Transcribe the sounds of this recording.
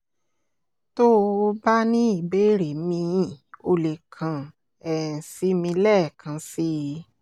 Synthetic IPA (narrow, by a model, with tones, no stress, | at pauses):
to˦˧ba˦nĩ˦i˦˨be˦˨ɾe˨mĩ˧˨o˧le˨kʰã˨ | ɛ˨si˨˦mĩ˧lɛ˦˨kã˨˧˦si˦